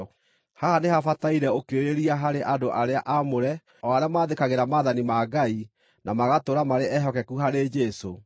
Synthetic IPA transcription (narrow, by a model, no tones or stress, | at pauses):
hahanehafataiɾɛokeeɾeɾiaɦaɾeʔadoʔaɾeaʔamoɾɛ | ɔaɾeamaːðekaɣeɾamaðanimaɡai | namaɣatoɾamaɾeʔɛɦɔkɛkuɦaɾed͡ʒɛso